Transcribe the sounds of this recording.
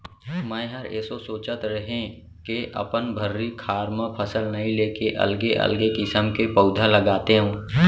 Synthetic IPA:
mɛ̃ːɦɐɾḛːsosoːt͡ʃət̪ɾɐɦẽ | keʔɐ̰pənbʱəɾːikʰaːɾmə̃pʰəsəlnɐɦĩleːkeʔɐ̰lɡeʔɐ̰lɡekɪsəmkepəʊd̪ʱaləɡaːt̪eɦũː

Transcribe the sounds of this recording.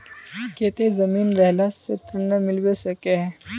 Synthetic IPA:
ket̪ezəmiːnɾəɦlast͡ɕet̪ɾənːəmilʋesəkeɦ

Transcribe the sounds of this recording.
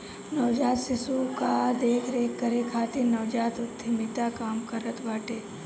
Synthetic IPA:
nɐʋd͡ʒaːt̪sɪsukad̪eːkʰɾeːkːəɾekʰaːt̪inɐʋd͡ʒaːt̪ʊt̪ʰːɪmɪt̪akaːmkɐɾət̪baːʈeː

